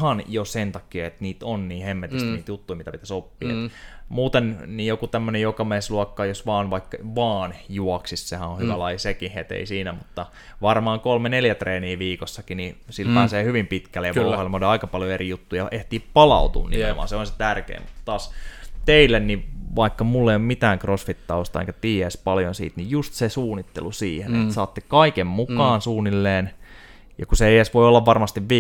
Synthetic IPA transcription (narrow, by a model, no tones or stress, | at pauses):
hɑnjosent̪ɑkiɑet̪niːt̪onniːhemːet̪ist̪niːt̪jut̪ːuimit̪æpit̪æsopːḭːḛt̪muːt̪ennijokut̪æmːønejokɑmeːsluɑkːɑjosʋɑːnʋɑikːɑʋɑːnjuɔksissehæõhyʋælɑijsekihet̪ḛisiːnæmut̪ːɑ | ʋɑrmɑːŋkolmeneljæt̪reːniːʋiːkosːɑkinisilpæːseːhyʋimpit̪kælːejɑuhɑilmoliɑikɑpɑljoerijut̪ːuːjɑeht̪iːppɑlɑ̰ut̪ṵːnnḭḛʋɑ̰ːnseonse̥t̪ærkḛːmmut̪t̪ɑːst̪eilːenniʋɑikːɑmulːeijommit̪æːŋkrosfit̪ːɑuost̪ɑḛŋkæt̪iːespɑljonsḭːt̪nijjust̪sesuːnit̪ːḛlusiːhenet̪sɑːt̪ːekɑikemmukɑːnsuːnːilːeːn | jɑkuseeiesʋoiolːɑʋʋɑrmɑst̪iʋʋiː